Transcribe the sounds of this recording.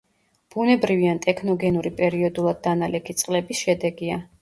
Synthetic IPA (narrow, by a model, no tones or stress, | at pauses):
b̥unɛbɾiviant̪ʼɛkʰnɔɡɛnuɾipʼɛɾiɔd̪ulˠad̪̚ːanalɛkʰit̪sʼqʼlɛbisʃɛd̪ɛɡia